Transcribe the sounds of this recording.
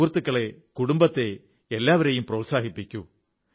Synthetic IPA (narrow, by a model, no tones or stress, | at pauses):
rt̪ːɨkːɐɭekuɽumbɐt̪ːe̞ | elːaːʋɐɾejumproːlsaːɦipːikʲːṵ